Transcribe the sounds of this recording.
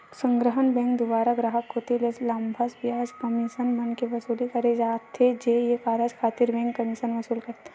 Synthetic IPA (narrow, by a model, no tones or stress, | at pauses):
sə̃ŋɡɾəɦənbɛ̃ːŋkd̪ʊbaːɾaɡɾaːɦəkɦot̪ileslɐmbʱəsbjaːd͡ʒkɐmiʃənbɐnkeʋɐsuːlikɐɾed͡ʒaːt̪ʰːed͡ʒejekaːɾəd͡ʒkʰaːt̪iɾbɛ̃ːŋkːɐmiʃənʋɐsuːlkɐɾt̪e